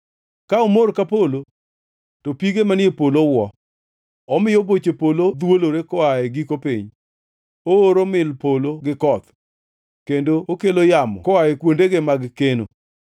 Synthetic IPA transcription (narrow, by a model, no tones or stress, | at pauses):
kaomoɾkapolo | topiɡemanɪepolowɔ | ɔmɪjobot͡ʃepolod̪woloɾekɔaeɡikopḭɲ | ooɾomɪlpoloɡɪkɔt̪ | kendookelojamɔ̰kɔaekwondeɡemaɡkeno̰